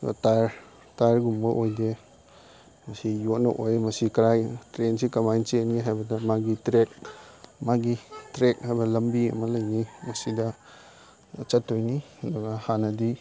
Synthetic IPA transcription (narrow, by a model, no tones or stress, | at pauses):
taɾ | taɾɡumbɐʔojde | mɐsijot̚nɔ̰ʔojmɐsikɾajtɾensikɐmajnt͡ʃenɡiɦajbɐdɐmaɡitɾek̚maɡitɾek̚hajbɐlɐmbiɐ̰mɐlɐjnimɐsidɐ | t͡ʃɐtʰːojni | dɔɡahanɐdi